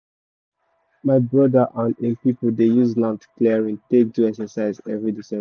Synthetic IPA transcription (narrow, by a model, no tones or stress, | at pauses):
maɪbɹɔdəʔãnepipəldejuzlãntkleɹĩŋtek̚tuɛksəsaɪzɛvɹidisɛ̃